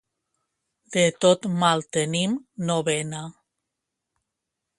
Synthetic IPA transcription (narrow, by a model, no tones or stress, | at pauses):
d̪̥et̪ot̪malˠt̪enimnoβena